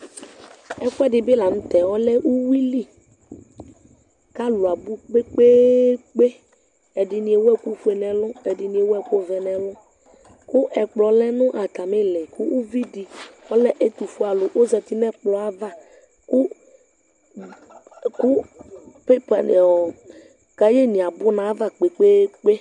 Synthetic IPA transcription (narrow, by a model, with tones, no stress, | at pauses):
ɛ˦ku˦ɛ˦ɖɪ˨be˦la˨m̩̃˦t̪ɛ˨wɔ˦lɛ˦wu˦wi˦li˦ | ka˦lu˨a˨bu˦k͡pe˦k͡pe˦k͡pe˦ | ɛ˨ɖɪ˨nĩ˨e˨wo˦ɛ˦ku˦ɸu˦e˨nɛ̃˨lʊ̃˦ɛ˨ɖi˨nĩ˨e˨wo˦ɛ˦ko˦vɛ˨nɛ̃˨lʊ̃˦ | kʊ˦ʔɛ˨k͡plɔ˨˦lɛ˦nʊ̃˦ʔa˨ta˨mɪ̃˦lɛ˨ku˦wu˦vi˦di˨ɔ˦lɛ˦ʔe˦t̪u˨fu˦a˨lʊ˨ʔo˦zɛ˨t̪i˦nɛ˦k͡plɔ˨a˦va˦ | ku˦ | ku˦pe˦pa˨ | ka˦je˦nĩ˨a˨bʊ˦nã˨˦va˦k͡pe˨k͡pe˦k͡pe˦